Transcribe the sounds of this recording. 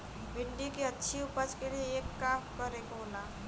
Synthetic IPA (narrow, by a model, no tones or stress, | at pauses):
bɪɳɖikeətːʃʰiupət͡ʃkelieeːkːaːpkəɾekola